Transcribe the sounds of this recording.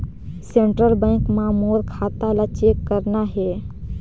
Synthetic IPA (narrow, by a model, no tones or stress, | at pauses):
sẽɳʈɾəlbɛ̃ːŋkmãmoːɾkʰaːt̪alat͡ʃekːəɾnaɦɛː